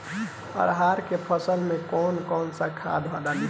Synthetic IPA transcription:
ə̰ɾɦaɾkepʰəsəlmekɔnkɔːnsəkʰa̰d̪ɦad̪ali

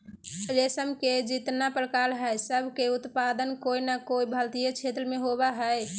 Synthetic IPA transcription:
ɾesəmked͡ʒit̪napɾkalɦəjsəbʱkeut̪pad̪ənkoinakoibʱəlt̪ijet͡ʃʰet̪ɾmeɦobaɦəj

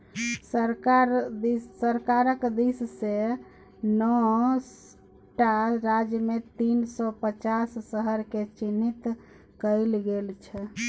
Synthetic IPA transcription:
səɾkaɾd̪iːəɾkaɾəkd̪isse | nɔs | ʈaɾad͡ʒjəmet̪insɔpət͡ʃasːəɦəɾket͡ʃinit̪ | kəɪlɡelt͡ʃʰɛ

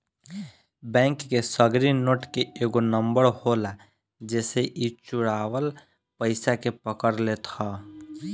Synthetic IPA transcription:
bɛ̃ːŋkːesəɡɾinoːʈkeeːɡonə̃mbəɾhola | d͡ʒɛːseʔit͡ʃʊɽaːʋəl | pəɪsakepəkəɾlet̪ʰa

